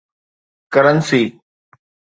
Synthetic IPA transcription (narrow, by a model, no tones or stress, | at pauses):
kəɾənsiː